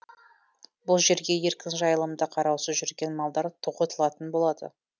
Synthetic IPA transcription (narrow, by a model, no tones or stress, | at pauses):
bʊlˠʒe̞ɾɡʲe̞je̞ɾkʲɪnʒɑjəlˠəmd̪əqʰɑɾɑwsəʒʏɾɡʲe̞nmɑlˠd̪ɑɾt̪ʰoqot̪əlˠɑt̪ənbo̞lˠɑd̪ə̰